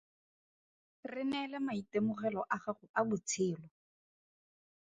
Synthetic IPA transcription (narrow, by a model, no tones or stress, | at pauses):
rɪnɛlɛmaitemʊχɛlɔʔaχaχʊabʊt͡sʰɪːlɔ